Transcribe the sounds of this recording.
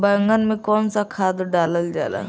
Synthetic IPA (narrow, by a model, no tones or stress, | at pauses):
bəŋɡənmẽkɔːnsakʰaːd̪ɖaːləld͡ʒa̰ːla̰